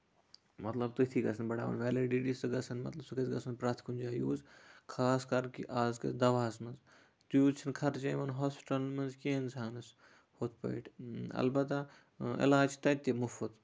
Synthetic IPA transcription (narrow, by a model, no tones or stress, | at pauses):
mɐt̪lɐbt̪ɨt̪ʰiɡɐsʰɐnbɐɽa̰ːʋɐ̰nʋɛːliɖiʈisɨɡɐsʰɐnmɐ̰t̪lɐbsɐkɐt͡sɡɐsʰɐnpɾaːt̪ʰkund͡ʒaːjuːzkʰaːskɐɾkiʔaːzkɐ̰d̪ɐʋaːsmɐnz | t̪juːzt͡ʃʰinkʰɐɾd͡ʒɐjmɐnɦoːspi̥ʈɐlmɐnzkeɪnsaːnɐs | hoːt̪ʰpɐ̰iʈʰɐ̰lbɐt̪a | ɪ̰laːd͡ʒt̪ɐt̪ʲːemufut̪